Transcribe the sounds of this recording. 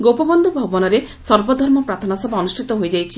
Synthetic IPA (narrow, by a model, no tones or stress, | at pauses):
ɡowpɔbɔnd̪ʱubʱɔbɔnɔɾesɔɾbɔd̪ʱɔɾmɔpɾat̪ʰɔnasɔbaɔnusʈʰit̪ɔɦojd͡ʒajt͡ʃʰi